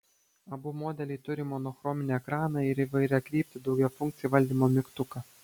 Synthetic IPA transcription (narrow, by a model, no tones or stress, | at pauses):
ɐbʊmɔːd̪ʲɛlʲɪt̪ʊɾʲɪmɔnɔxɾɔmʲɪnʲeːɛkɾɑːnɑɪɾiʋɐɪɾʲɛtkɾʲiːpʲt̪ʲɪd̪ɒʊɡʲɛfʊŋkt̪sʲɪjuʋɐlʲd̪ʲiːmoːmʲɪkt̪ʊkɐ